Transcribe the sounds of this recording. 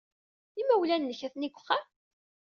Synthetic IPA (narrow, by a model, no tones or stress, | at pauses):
imæwlænːəçæθniɡʷχːæm